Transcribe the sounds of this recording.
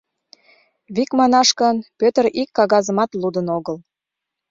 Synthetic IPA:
βikmɑnɑʃkənpøt̪əɾikːɑɣɑzəmɑt̪lud̪ənoɣəl

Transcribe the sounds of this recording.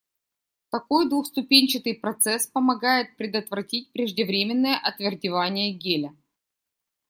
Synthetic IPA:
t̪ɐko̞jd̪vʊxst̪ʊpʲenʲt͡ɕɪt̪ɨjpɾɐt̪sɛspəmɐɡajɪt̪̚pɾʲɪd̪ət̪vɾɐtʲit̚ʲpɾʲɪʐdʲɪvɾʲemʲɪnːəjəʔɐt̪vʲɪrdʲɪvanʲɪjəɡʲelʲə

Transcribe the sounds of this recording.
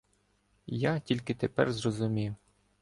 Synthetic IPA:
jatʲilʲkɪt̪epɛ̰rzrɔzʊmʲiw

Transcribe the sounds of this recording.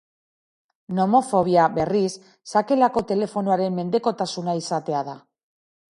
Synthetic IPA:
no̞mo̞fo̞β̞jaβe̞risː | ake̞lako̞t̪e̞le̞fo̞nuaɾe̞nme̞nd̪e̞ko̞t̪asunaisat̪e̞að̞a

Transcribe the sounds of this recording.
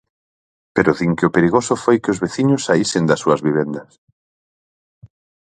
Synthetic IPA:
peɾʊðiŋkʊpeɾiɣosʊfojkeʊzβeθiɲʊsːaisend̪ɐsuɐzβiβ̞end̪ɐs

